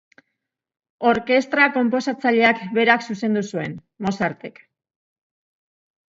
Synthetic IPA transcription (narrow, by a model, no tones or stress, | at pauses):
o̞ɾke̞st̪ɾako̞mpo̞sat͡saʎe̞akbe̞ɾaksuse̞nd̪usue̞n | mo̞saɾt̪e̞k